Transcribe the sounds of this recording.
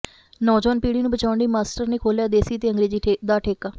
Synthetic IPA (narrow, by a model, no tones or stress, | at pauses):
nɔːd͡ʒɔːnpiːɽiːnũbət͡ʃaːʊɳɖiːmaːsʈəɾneːkʰoːljaːd̪eːsiːt̪eːəŋɡɾeːd͡ʒiːd̪aːʈʰeːkaː